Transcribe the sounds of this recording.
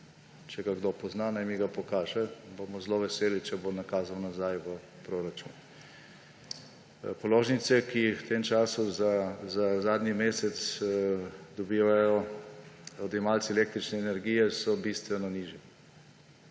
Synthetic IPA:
t͡ʃɛɡaɡd̪opɔznanajmiɡapɔkaːʒɛbomɔzloʋɛseːlit͡ʃɛbonakaːzawnazajʋə | pɾoɾat͡ʃṵn | pɔloːʒnit̪sɛkixwt̪emt͡ʃaːsuzazazaːd̪nimeːsɛt̪s | d̪ɔbiːʋajɔ | ɔd̪ɛmalsiɛlek̚t̪ɾit͡ʃnɛːnɛɾɡiːjɛsɔbist̪ʋɛnɔniːʒjɛ

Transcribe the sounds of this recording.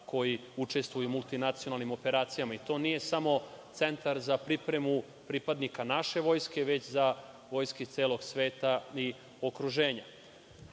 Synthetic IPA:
kʰo̞jiut͡ʂe̞st̪ʋujumult̪inat̪sijonalˠnimo̞pe̞ɾaːt̪sijamait̪o̞nije̞samo̞t̪se̞nt̪aɾzapɾipɾe̞mu | pɾipad̪nikanaʃe̞ʋo̞ːjske̞ʋe̞t͡ɕza | ʋo̞ːjskit̪se̞ːlo̞ɡsʋe̞ːt̪ai | o̞kɾuʒe̞ːɲa

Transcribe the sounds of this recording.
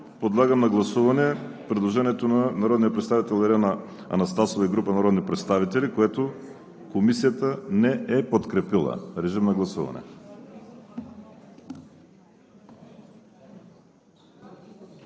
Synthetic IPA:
pod̪lˠaɡəmnɐɡlˠɐsuvɐnɛpɾɛd̪lˠoʒɛniɛt̪onanaɾɔd̪nijəpɾɛt̪st̪avit̪ɛlˠɛɾɛna | ɐ̰nɐst̪asovɐiɡɾupənaɾɔd̪nipɾɛt̪st̪avit̪ɛlikoɛt̪o | komisijət̪ənɛɛpot̪kɾɛpilˠɐ̰ɾɛʒimnɐɡlˠɐsuvɐ̰nɛ̰

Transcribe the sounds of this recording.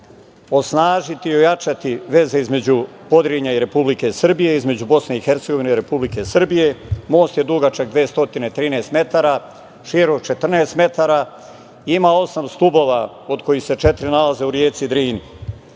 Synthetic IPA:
o̞snaːʒit̪iiojat͡ʃat̪iʋe̞ze̞izme̞d͡ʑu | po̞d̪ɾeɲaiɾe̞publike̞sr̩bije̞izme̞d͡ʑubo̞sne̞ixeɾt̪seɡo̞ʋineiɾe̞publike̞sr̩bije̞mo̞ːst̪je̞d̪uɡat͡ʃaɡ̚d̪ʋieːst̪o̞t̪inet̪ɾiːneːst̪me̞t̪aɾa | ʃiɾo̞ɡt͡ʃe̞t̪r̩neːst̪me̞t̪aɾa | iimaːo̞samst̪ubo̞ʋa | od̪kʰo̞jixse̞t͡ʃet̪ɾinalaze̞uɾjeːt̪sid̪ɾiːni

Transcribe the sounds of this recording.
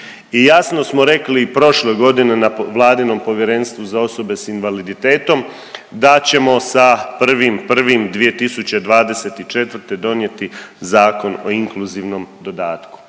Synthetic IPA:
ijasno̞smoɾe̞klipɾo̞ʃleɡo̞d̪ine̞naʋlˠaːd̪ino̞mpo̞ʋjeɾe̞nst̪ʋuzao̞so̞be̞sinʋalid̪it̪e̞ːt̪o̞m | d̪at͡ɕe̞mo̞sapr̩ʋimpr̩ʋimd̪ʋije̞t̪isut͡ɕe̞d̪ʋaːd̪e̞set̪it͡ʃe̞t̪ʋɾ̩t̪e̞d̪o̞nje̞t̪izaːko̞noiŋkluziʋno̞md̪o̞d̪aːt̪ku̥

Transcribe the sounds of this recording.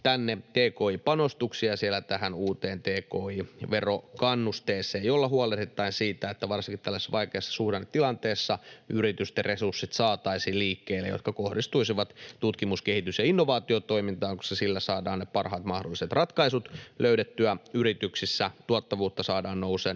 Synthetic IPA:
t̪ænːet̪eːkoːipɑnost̪uksiɑsielːæt̪æɦænuːt̪eːnt̪eːkoːiʋerokɑnːust̪eːsˑeːjolːɑhuolet̪et̪ːɑinsiːt̪æet̪ːæʋɑrsiŋkit̪t̪ælːæsesʋɑikeːsːɑ̥suhdent̪ilɑnt̪eːsːɑyɾit̪yst̪eresursːit̪sɑːt̪ɑisiːliːkːeːlːḛjo̰t̪kɑkohdist̪uisiʋɑt̪t̪ut̪kimuskehit̪ysjɑinːoʋɑːt̪iot̪o̞imint̪ɑːŋku̥sesilːæsɑːdɑːnnepɑrhɑːt̪mɑhdolːiset̪rɑt̪kɑisut̪løydet̪ːyæyɾit̪yksisːæt̪uɑt̪ːɑʋuːt̪ːɑsɑːdɑːnnouseːn

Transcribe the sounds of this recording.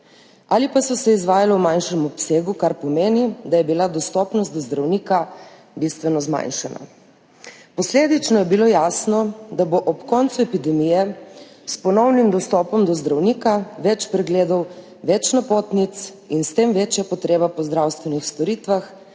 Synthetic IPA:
alipasɔsɛizʋaːjalɔwmajnʃɛmɔpseːɡukaɾpɔmeːnid̪ajɛbilad̪ɔst̪ɔːpnɔst̪d̪ɔzd̪ɾawniːka | bist̪ʋɛnɔzma̰jnʃana̰ | pɔsleːd̪it͡ʃnɔjɛbilojasnɔd̪aboʔɔpkɔnt̪suɛpid̪ɛmijɛ | spɔnɔwnimd̪ɔst̪ɔːpɔmd̪ɔzd̪ɾawniːkaʋɛt͡ʃpɾɛɡleːd̪ɔw | ʋɛt͡ʃnapoːt̪nit̪s | inst̪emʋeːt͡ʃjapɔt̪ɾeːbapɔzd̪ɾawst̪ʋɛnixst̪ɔɾiːt̪ʋax

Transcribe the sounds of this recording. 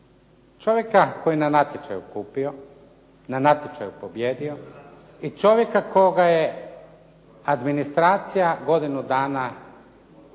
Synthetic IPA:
t͡ʃo̞ʋje̞kakojinanat̪jet͡ʃa̰jṵkuːpio | nanat̪jet͡ʃajupo̞bjeːd̪io | it͡ʃo̞ʋje̞kakoɡaje | ad̪minist̪ɾaːt̪sijaɡo̞d̪inud̪aːna

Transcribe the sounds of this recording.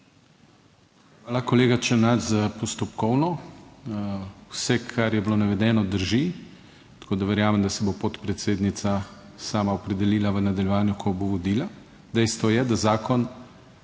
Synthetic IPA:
xʋaːlakoleːɡat͡ʃɛnat̪zapɔst̪ɔpkɔwnɔ | wsɛkʰaɾjɛbilonaʋɛd̪ɛːnɔd̪əɾʒi | t̪ḁkoːd̪aʋɛɾjaːmɛmd̪asɛbopot̪pɾɛt̪seːd̪nit̪sa | saːmaɔpɾɛd̪ɛliːlaʋənad̪aljɛʋaːnjukʰɔboʋɔd̪iːla | d̪ɛjst̪ʋɔjɛd̪azaːkɔn

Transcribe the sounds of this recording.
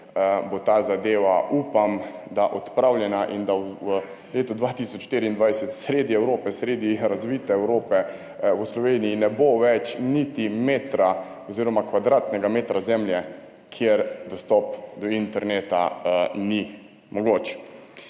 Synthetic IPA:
bot̪aːzad̪eːʋauːpamd̪aʔɔt̪pɾawljɛnaʔind̪aw | leːt̪ɔd̪ʋaːt̪isɔt͡ʃʃt̪eɾiːnd̪ʋajsɛt̪sɾeːd̪iɛwɾoːpɛsɾeːd̪iɾazʋiːt̪ɛɛwɾoːpɛ | wəslɔʋeːnijinɛboʋɛt͡ʃnit̪imeːt̪ɾa | ɔziːɾɔmakʋad̪ɾaːt̪nɛɡameːt̪ɾazɛmljɛ | kʰjeɾd̪ɔst̪ɔpd̪ɔint̪ɛɾneːt̪a̰ni | mɔɡoːt͡ʃ

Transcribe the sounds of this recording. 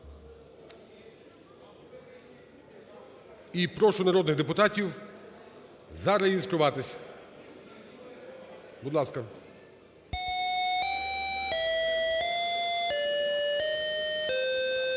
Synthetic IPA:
ipɾɔʃʊnɐɾɔd̪nɪɣd̪epʊt̪ɑtʲiw | zɑɾɐjizkɾʊʋɑt̪ɪsʲ | bʊd̪lˠɑskɐ

